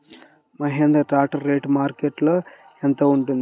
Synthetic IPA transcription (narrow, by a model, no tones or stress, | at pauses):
mɐɦend̪ɾɐʈaːʈɐɾːeːʈmaːɾkeʈl | ent̪ɐuɳʈund̪